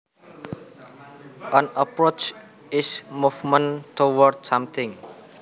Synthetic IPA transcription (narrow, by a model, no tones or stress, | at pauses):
ʔə̃nəpɾot͡ʃ | ɪsmufmə̃ntʰowərdsʌmt̪ʰɪ̃ŋ